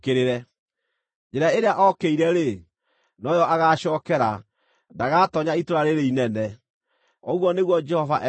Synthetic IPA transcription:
keɾeɾɛ | d͡ʒeɾaeɾeaʔɔkeiɾɛɾe | nɔjɔʔaɣaɕɔːkɛɾa | ndaɣatɔɲaitoɾaɾeɾeinɛnɛ | ɔɣwɔneɣwɔd͡ʒɛhɔva̰ʔɛ

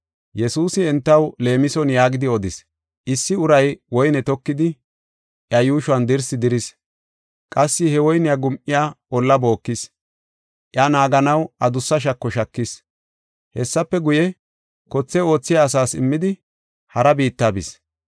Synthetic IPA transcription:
jɛsuːsɪɛnt̪ːɐwle̞ːmɪsɔnjaːɡɪd̪ɪɔd̪ɪs | ʔɪsːɪʊɾɐjwɔjnɛt̪ɔkːɪd̪ɪ | ʔjɐjuːʃʊɐnd̪ɪɾsɪd̪ɪɾɪs | kʼɐsːɪhɛwɔjnɪjaɡʊmʔɪjaːɔlːɐbo̞ːkːɪs | ʔjɐnaːɡɐnɐwʔɐd̪ʊsːɐʃ̬ɐkːɔʃɐkːɪs | hɛsːɐpːɛɡʊjɛ | kɔt͡sːɛo̞ːt͡sːɪjaːsaːsɪ̰mːɪd̪ɪ | hɐɾɐbiːt̪ːaːbɪs

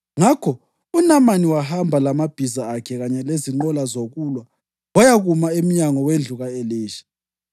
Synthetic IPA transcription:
ŋakʰɔ | unamaniwaɦambʱalamab̥ʱizaːkʰɛɣaɲɛleziŋ͡ǃɔlazoɣulwa | wajaɣumaem̩ɲaŋɔwend͡ɮʱuɣaeleːʃi̥

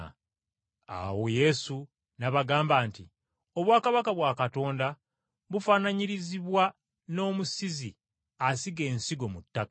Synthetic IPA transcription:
a̰wo̞je̞su | naβaɡaːmbaːnti | o̞βwaːkaβakaβwaːkato̞ːnda | βufanaɲiɾiziβwa | no̞ːmusizi | asiɡe̞ːnsiɡo̞mutːakḁ

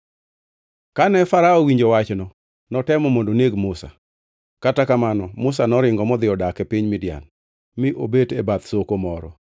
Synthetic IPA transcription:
kanɛfaɾaɔwiɲd͡ʒowat͡ʃnɔ | nɔtɛmɔmondoneɡmʊsa̰ | katakamanɔmʊs̬anɔɾɪŋɡɔmɔd̪ɪɔdakɛpiɲmɪdɪja̰n | mɪʔobetebat̪sokomɔɾɔ̰

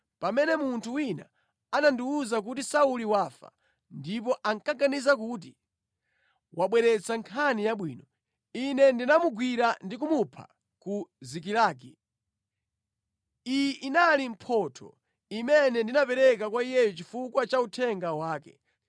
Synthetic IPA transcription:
pamɛnɛmuntʰuwina̰ | anandiuzak̬utisauliwafa̰ | ndip̬ɔʔaŋkaɡanizakut̬i | waɓwɛɾɛt͡saŋkʰanijaɓwḭːnɔ | inɛndinamuɡwiɾandik̬umupʰa̰ | kuzik̬ilaːk̬i | ijiʔinalim̩pʰɔtʰɔ̰ | imɛnɛndinapɛɾɛkakwaijɛjɔt͡ʃifukwat͡ʃautʰɛŋɡawaːkɛ

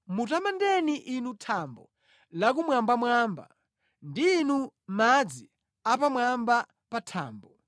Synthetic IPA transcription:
mutamandɛniʔinutʰambɔ̰ | lakumwambamwaːmba̰ | ndiːnumad͡zi | apamwamba | patʰa̰ːmbɔ

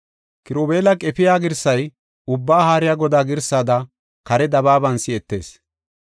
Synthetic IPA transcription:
kɪɾoːbeːlɐkʼɛpɪjaːɡɪɾsːɐj | ʊbːaːhaːɾɪjaɡɔd̪aːɡɪɾsaːd̪ɐ | kɐɾɛd̪ɐβaːbɐnsɪɛt̪ːe̞̰ːs

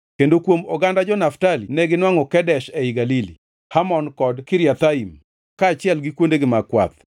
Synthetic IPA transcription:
kendokwomɔɡandad͡ʒɔnaftalḭnɛɡɪnwaŋɔkɛdɛʃɛiɡalilḭ | hamɔnkɔdkɪɾjat̪aim | kaːt͡ʃɪɛlɡɪkwondeɡɪmakwa̰t̪̚

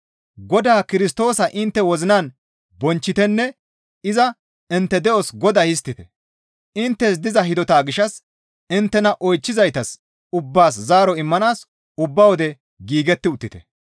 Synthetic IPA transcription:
ɡɔd̪aːkɪɾɪst̪o̞ːsɐʔɪnt̪ːɛwɔzɪnaːn | bɔnt͡ʃːɪt̪ɛnːɛ | ɪzɐ | ɪnt̪ːɛd̪ɛʔɔsɡɔd̪aːhɪs̬t̪ːɪt̪ɛ̥ | ʔɪnt̪ːɛs̬d̪ɪzɐɦɪd̪ɔt̪aːɡɪʃɐs | ɪnt̪ːɛnɐʔɔjt͡ʃːɪzɐjt̪ɐs | ʊbːaːs̬zaːɾɔɪmːɐnaːs | ʊbːɐwɔd̪ɛ | ɡiːɡɛt̪ːɪʊt̪ːɪt̪ɛ̰

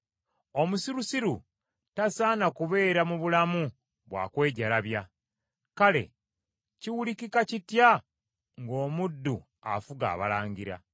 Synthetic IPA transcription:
o̞musiɾusiɾu | tasaːnakuβe̞ːɾamuβulamu | βwa̰kwe̞ːɟalaβja | kale̞̰ | ciwulikikacitja | ŋɡo̞ːmudːu | a̰fuɡa̰ːβa̰laːɲɡiɾa̰

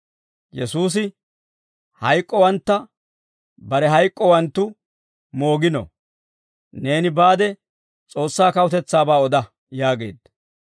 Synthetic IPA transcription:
jɛsuːs̬ɪ | hɐjkʼːɔwɐnt̪ːɐ | bɐɾɛɦɐjkʼːɔwɐnt̪ːʊ | mo̞ːɡɪnɔ̰ | ne̞ːnɪbaːd̪ɛ | t͡sʼo̞ːsːaːkɐwʊt̪ɛt͡sːaːbaːɔd̪ɐ | jaːɡe̞ːd̪ɐ

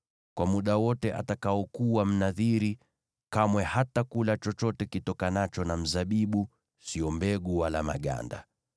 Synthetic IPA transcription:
kwamuɗawɔtɛʔa̰takaɔkuwam̩naðiɾi | kamwɛhatakulat͡ʃɔt͡ʃɔtɛkitɔkanat͡ʃɔnam̩zaɓiɓu | siɔmbɛɠuwalama̰ɠa̰nda̰

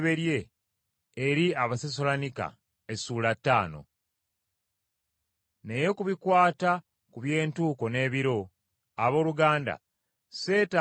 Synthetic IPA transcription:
βe̞ɾje̞ː | ɾiaβases̬o̞lanika̰ | esuːlatːaːno̞̰ | ne̞jekuβikwaːta | kuβje̞ːntuːkone̞ːβiɾo̞ | aβo̞ːluɡaːnda̰ | se̞ːta

